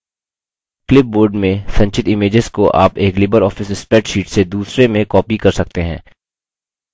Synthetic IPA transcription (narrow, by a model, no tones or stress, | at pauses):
klɪp̚boːɾɖmẽsɐ̃ɲt͡ʃɪt̪ɪmeːd͡ʒɪzkoʔa̰ːpeːklɪbəɾɔːfɪsɪspɛʈʃiːʈsed̪uːsɾemẽkɔːpikɐɾsɐk̚t̪eɦɛ̰̃ː